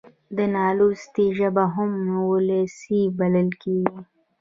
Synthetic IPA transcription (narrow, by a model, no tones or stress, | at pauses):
d̪ənɑːlust̪iʒabaɦʊmwolesibɐləlkeɡi